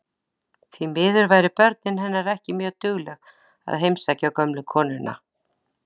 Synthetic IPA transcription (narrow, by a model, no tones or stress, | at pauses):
θimɪːðʏɾvaːjɾɪpœɾt̪̚nɪnɦɛnːaɾɛhcɪmjœːɣt̪ʏɣlɛɣ | a̰ðɦejmsacawkœmlʏkʰɔːnɪnːa̰